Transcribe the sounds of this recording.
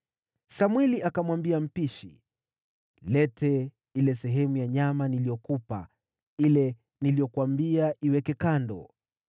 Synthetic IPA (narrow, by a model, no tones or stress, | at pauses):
samwɛliakamwambiam̩piʃḭ | lɛtʰɛ | ilɛsɛɦɛmujaɲamanilijɔkupa̰ | ilɛ | nilijɔkwambiaʔiwɛkɛkandɔ̰